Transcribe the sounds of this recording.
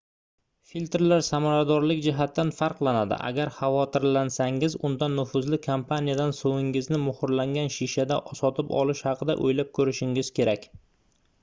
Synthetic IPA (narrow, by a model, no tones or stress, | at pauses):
filʲt̪ɾlaɾsamaɾad̪ɒɾlɪkʲd͡ʒɪɦat̪ːanfɑɾqlˠanad̪ɪ̰ʔa̰ɡʲaɾχɑvɒt̪ʰɪɾlansaŋɪzʊnd̪anːʊfʊzlɪkʰompʰanijad̪ansovɪŋɪznɪmʊhʊɾlaŋɡʲanʃiʃad̪aʔɒsɒt̪ʰɪpɒ̰lɪʃhɑqʰɨd̪a̰ʔojlap̚kʰɵɾɪʃɪŋɪz̥kʲʰe̞ɾakʲ